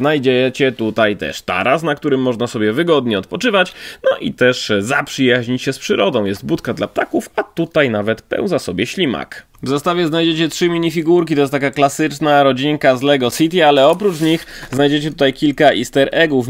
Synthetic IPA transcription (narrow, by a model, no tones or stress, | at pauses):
najd͡ʑɛt͡ɕɛt̪ut̪ajt̪ɛ̰ʂt̪a̰ɾasnak̚t̪uɾɘmːɔʐnasɔbʲjɛvɘɡɔd̪ɲɛɔt̪̚pɔt͡ʂɘvat͡ɕnɔʔḭt̪ɛʂzapʂɘjaʑɲit͡ɕɕɛspʂɘɾɔd̪ɔ̃w̃jɛst̪̚but̪kad̪la̰p̚t̪akufat̪ut̪ajnavɛt̪pɛ̰w̃nzasɔbʲjɛɕlʲima̰k | vzast̪avʲjɛznajd͡ʑet͡ɕɛtʂɘmʲiɲifʲiɡuɾkʲit̪ɔjɛst̪akaklasɘt͡ʂnaɾɔd͡ʑiŋkazlɛɡɔsʲit̪ʲialɛɔpɾut͡ʂɲixznajd͡ʑet͡ɕɛt̪ut̪ajkʲilkaʔist̪ɛɾʔɛɡuf